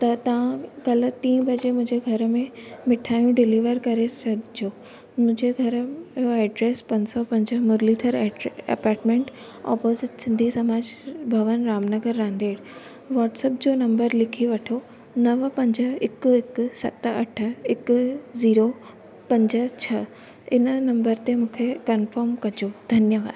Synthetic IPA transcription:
t̪ɐt̪ɐʋãkɐl̆t̪ĩːbʱɐd͡ʑemʊ̃ɦɪ̃ɲd͡ʑeɡʱɐɾ̆mẽmɪʈʰaːjũɖɪliːʋəɾkɐɾesɐd̪d͡ʑoː | mʊ̃ɦɪ̃ɲd͡ʑeɡʱɐɾoeːɖɾeːspɐ̃ɲsɔpɐ̃ɲd͡ʑə̆mʊɾlit̪ʰəɾɐ̰paːɾʈmẽːɳʈ | ɔ̰ːpoːzɪʈsɪ̃nd̪ʱisɐmaːd͡ʑbʱɐʋənɾaːmnəɡəɾːãːnd̪eːɽ | ʋaːʈsep̚d͡ʑoːnɐ̃mbəɾlɪkʰiʋɐʈʰo | nɐʋpɐ̃ɲd͡ʑəɪkɪksɐ̰t̪ɐʈʰə̆ɪkziːɾo | pɐ̃ɲd͡ʑə̆t͡ɕʰɐ | ɪ̰nənɐ̃mbəɾt̪emũːkʰekɐnfəɾmkɐd͡ʑod̪ʱɐnjəʋa̰ːd̪

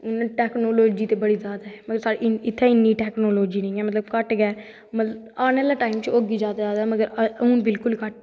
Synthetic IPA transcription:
ʊnãʈɛːknoːloːd͡ʒiːt̪eːbəɽiːzjaːd̪aɦɛːməɡəɾsaːɽiɪt̪ʰːeɪniːʈɛːknoːloːd͡ʒiːnəĩːɛːmət̪ləbkəʈɡɛː | mət̪lə | aːneːlaːʈaːɪmt͡ʃoːɡiːd͡ʒaːd̪aːd͡ʒaːd̪aːməɡəɾunbɪlkʊlkəʈ

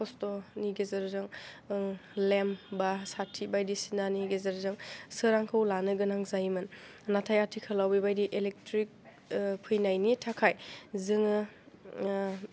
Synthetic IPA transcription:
pʰɔstɔniɡezɯɾzɯŋ | lembasatʰibajdisinaniɡezɐɾzɯŋsɯɾaŋkʰɯwlanɯɡɯnaŋzajmɯn | natʰajatʰikʰɯlawbibajdiʔelek̚tɾik̚ | pʰɯjnajnitʰakʰajzɯŋɯ

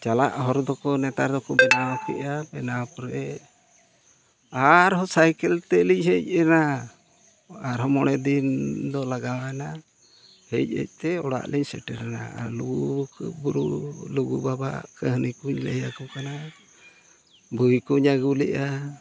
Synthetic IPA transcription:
t͡ʃala̰ʔɦɔɾd̪ɔkɔnɛt̪aɾd̪ɔkɔbɛnawkɛ̰ʔabɛnawpɾɛ | aɾɦɔsajkɛlt̪ɛliɲɦɛc̚ɛna | aɾɦɔmɔɽɛd̪ind̪ɔlaɡawna | hɛc̚ɛ̰c̚ˀt̪ɛɔɽa̰ʔlɛɲsɛ̰ʈɛɾɛna̰a̰luɡukbuɾuluɡubaba̰ʔkəɦnikuɲlə̰jakukana | buikuɲaɡulɛʔa

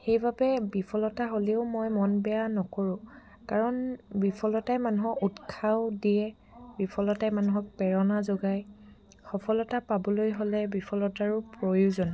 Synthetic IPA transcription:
xejbabɛbipʰɔlɔtaɦoleʊmojmɔnbɛjanɔkoɹʊ̃ | kaɹɔnbipʰɔlɔtajmanuɦɔkutkʰaʊdiɛ | bipʰɔlɔtajmanuɦɔk̚pɛɹɔnazoɡaj | xɔpʰɔlɔtapabɔlojɦolɛbipʰɔlɔtaɹʊpɹojuzɔn

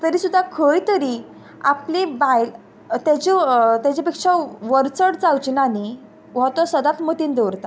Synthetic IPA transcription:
t̪əɾiːsud̪ʱːakʰəjt̪əɾiː | a̰plẽbajl | t̪at͡ɕit̪at͡ɕepekʂaʋəɾt͡səɽt͡sawt͡ɕnani | ʋ̤ɔt̪ɔsəd̪at̪mət̪iːnd̪eʋɾt̪a

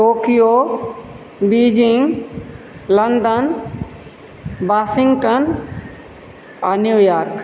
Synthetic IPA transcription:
ʈoːkijoː | biːd͡ʒiŋ | lɐnd̪ən | baːsɪŋɡʈən | anjujaːɾk

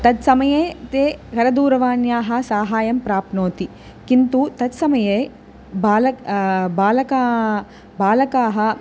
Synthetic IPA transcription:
t̪ɐd̪sɐmɐjeːt̪eːkɐɾɐd̪uːɾɐʋaːnjaːɦɐ̆saːɦaːjɐmpɾaːpnoːt̪i | kint̪ut̪ɐd̪sɐmɐjeː | baːlɐbaːlɐkaː | baːlɐkaːɦɐ̆

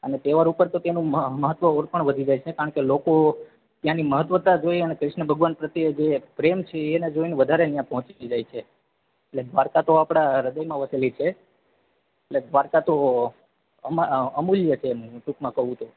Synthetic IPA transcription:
ənet̪eʋaɾupəɾt̪ot̪enũəməɦət̪ːʋəoɾpəɳʋəd̪ʱid͡ʒajt͡ʃʰekaɾəɳkeloko | t̪jãniməɦət̪ːʋət̪ad͡ʒojənekɾɪʃɳəbʱəɡʋanpɾət̪jed͡ʒepɾemt͡ʃʰeːned͡ʒojneʋəd̪ʱaɾeənjãpɔɦɔ̃t͡ʃid͡ʒajt͡ʃʰe | eʈled̪ʱʋaɾkat̪oapɽ̃aɾəd̪əjmãʋəselit͡ʃʰe | eʈled̪ʋaɾkat̪o | əəmuljət͡ʃʰemũʈukmãkəɦũt̪u

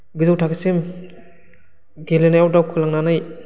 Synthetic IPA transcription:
ɡɯzowtʰaksim | ɡelenajawdawkʰulaŋnanaj

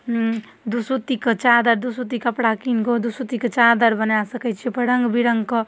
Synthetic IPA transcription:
d̪usut̪ikət͡ʃad̪əɾd̪usut̪ikəpɽakinkod̪usut̪ikət͡ʃad̪əɾbənasəkət͡ʃʰipəɽəŋɡbiɽəŋɡkə

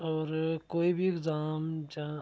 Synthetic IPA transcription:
ɔːɾkoːibʱiɪkzaːmd͡ʒa

